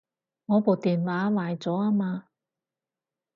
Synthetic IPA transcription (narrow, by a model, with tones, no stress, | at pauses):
ŋɔː˨˧poː˨˩wt̪iː˨nwaː˨˦˥waː˨˩jt͡sɔː˨˥aː˥maː˧